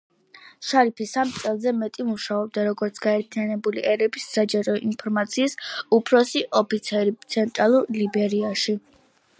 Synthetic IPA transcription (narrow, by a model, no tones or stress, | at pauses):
ʃaɾipʰisamt̪sʼɛlˠzɛmɛt̪ʼimuʃaɔb̚d̪aɾɔɡɔɾt̪sʰɡ̥aɛɾt̪ʰianɛbuliʔɛɾɛbisːad͡ʒaɾɔinpʰɔɾmat̪sʰiːsupʰɾɔsiʔɔpʰit̪sʰɛɾit̪sʰɛnt̪ʼɾalˠuɾlibɛɾiaʃi